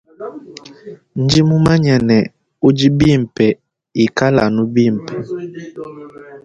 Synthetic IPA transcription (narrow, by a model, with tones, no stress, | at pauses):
n̩˦d͡ʒi˦mu˦ma˦ɲɛ˨nɛ˨ | u˦d͡ʒi˦bi˦˨m˨pɛ˨ | i˨ka˦la˨nu˦bi˦˨m˨pʰɛ˨